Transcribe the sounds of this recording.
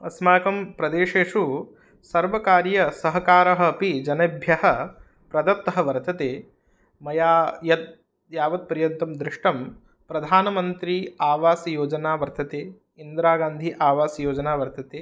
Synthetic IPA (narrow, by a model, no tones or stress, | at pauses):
ɐsmaːkɐmpɾɐd̪eːʂeːʂu | sɐɾʋɐkaːɾjɐsɐɦɐkaːɾɐɦɐ̆ːpid͡ʒɐnɐbʱjɐɦɐ | pɾɐd̪ɐt̪ːɐɦɐʋɐɾt̪ɐt̪eː | mɐjaːjɐt̪̚ | jaːʋɐt̪̚pɐɾjɐnt̪ɐmd̪ɾɪʂʈɐm | pɾɐd̪ʱaːnɐmɐnt̪ɾiaːʋaːsɐjoːd͡ʒɐnaːʋɐɾt̪ɐt̪eː | ind̪ɾaːɡaːnd̪ʱiʔaːʋaːsɐjoːd͡ʒɐnaːʋɐɾt̪ɐt̪eː